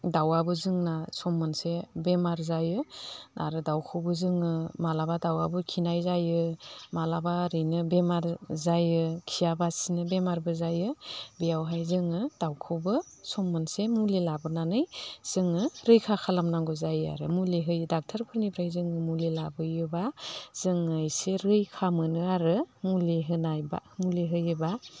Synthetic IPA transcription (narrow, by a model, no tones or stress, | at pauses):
dawabɯzɯŋnasɔmːɯnsebemaɾzajɯna̰ɾɯdawkʰɯwbɯzɯŋɯmalabadawabɯkʰinajzajɯmalabaɾɯjnɯbemaɾzajɯkʰijabasinɯbemaɾbɯzajɯbejawɦajzɯŋɯd̥awkʰɯwbɯ | sɔmːɯnsemulilabɯnanɯjz̥ɯŋɯɾɯjkʰakʰalamnaŋɡɔzaja̰ɾɯ̰muliɦɯjɯdak̚tʰaɾpʰɯɾnibʰɾajzɯŋɯmulilabɯjɯbaz̥ɯŋɯjseɾɯjkʰamɯnɯaɾɯmuliɦɯnajba̰muliɦɯjɯba